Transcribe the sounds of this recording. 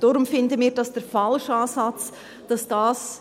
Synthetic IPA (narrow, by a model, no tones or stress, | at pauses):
d̥oɾʊmfɪndəmiːɾdɑsd̥əɾfɑlʃɑːsɑt͡s | d̥ɑsd̥ɑːs